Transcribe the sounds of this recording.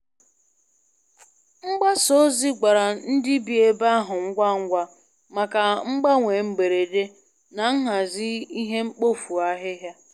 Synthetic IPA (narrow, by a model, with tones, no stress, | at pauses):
ŋ͡m̩˦ɡ͡ba˦so˦zi˦ɡa˨ɾa˨n̩˦dɪ˦bi˨e˨ba˦a˦ɦʊ˨ŋ̩˦ɡʷa˦ŋ̩˦ɡʷa˦ | ma˨ka˨ŋ͡m̩˦ɡ͡ba˦ŋʷe˨ŋ͡m̩˨ɡ͡be˨ɾe˨de˦ | na˨ŋ̩˦ɦa˨zɪ˦i˦ɦe˦ŋ͡m̩˦k͡po˦fu˨a˦ɦɪ˦ɦja˦